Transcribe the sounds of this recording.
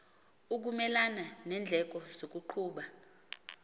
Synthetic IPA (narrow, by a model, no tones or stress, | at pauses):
uk̬umɛlananɛnd͡ɮʱɛk̬ɔzok̬uǃʰuːɓa